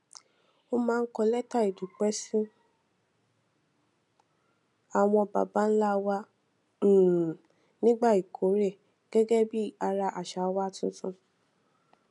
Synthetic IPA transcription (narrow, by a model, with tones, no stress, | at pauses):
o˦mãː˦˧˦kɔ˧lɛ˦ta˦˨i˨du˨k͡pɛ˦sĩ˦ | a˨w̃ɔ̃˧ba̰˨ba˨˦n̩˦la˦˧wã˧˨ | nĩ˦ɡ͡ba˦˨i˨kʰo˨˦ɾe˦˨ | ɡ̥ɛ˦ɡɛ˦bi˦a˧ɾa˧ʔa˨ʃa˨˦wa˦˨tũ˧tũ˧